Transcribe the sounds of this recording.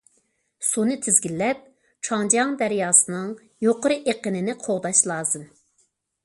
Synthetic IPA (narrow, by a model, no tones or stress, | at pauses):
sunɨt̪ʰɪzɡʲilːɛp̚ | t͡ʃʰɑŋd͡ʒɑŋd̪ɛɾjɑːsɨnɨŋ | joqʊɾɨʔeqənɪnɪqʰoʁd̪ɑʃlˠɑːzɨm